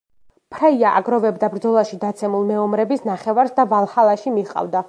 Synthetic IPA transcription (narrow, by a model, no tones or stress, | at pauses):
pʰɾaiaʔa̰ɡɾɔvɛbd̪abɾd̪zɔlˠaʃid̪at̪sʰɛmulˠmɛɔmɾɛbisnaχɛvaɾsd̪avalˠhalˠaʃimiqʼa̰vd̪a